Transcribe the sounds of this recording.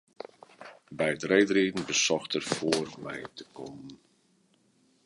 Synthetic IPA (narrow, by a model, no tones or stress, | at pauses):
bɛjətreːdriːdn̩bəsɔxtərfoːərmɛ̰jtə̥kʰɔmən